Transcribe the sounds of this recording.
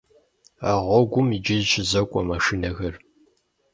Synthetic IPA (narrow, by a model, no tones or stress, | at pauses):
aʁʷɔɡʷʊmid͡ʒɪzt͡ʃʰɪzɐkʷʼɔmaʂinɐɣɐr